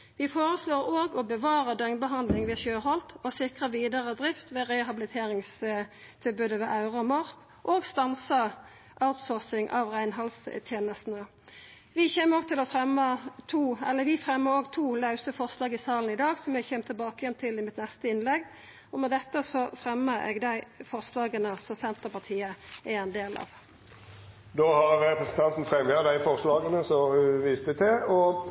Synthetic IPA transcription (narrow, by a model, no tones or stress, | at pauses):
ʋɪfoːʁəsloːɾoːɡɔbəʋɑːɾəd̪œŋnbəɦɑnd̪lɪŋʋɛːʃøːhɔlt̪ɔsɪkʁəʋiːd̪ɑʁəd̪ʁɪft̪ʋɛːʁɛɦɑbɪlɪt̪ʰeːʁɪŋs | t̪ʰɪlbʉːd̪əʋɛʔɑʉʁəɔmɑʁk | ʔoːɡst̪ɑnsə | ʔɑʉt̪soːʁsɪŋʔɑ̰ʋʁæɪnɦɑlst̪ʰjeːnəst̪nə | ʋɪçeːməoːɡ̚t̪ʰɪlɔfʁɛmːət̪ʰuːɛ̰lːəɾʋɪfʁɛmːəɾoːɡt̪ʰuːlɑʉsəfɔʁslɑːɡɪsɑːln̩ɪd̪ɑːɡsɔmjæɡçɛːmt̪ʰɪlbɑːkəjɛnt̪ʰɪlɪmɪt̪nɛst̪əɪnlɛɡː | ɔmɛd̪ɛt̪ːəsɔfɾɛmːəɛ̰ːɡd̪æɪfɔʁslɑːɡənəsɔsɛnt̪əpɑt̪ʰiːəʔæɛnd̪eːlɑ̰ʋ | d̪oːhɑɾɛpɾəsən̩t̪ʰɑnt̪n̩fɾɛmjɑd̪æɪfɔʁslɑːɡənəsɔʋiːst̪ət̪ɛɔ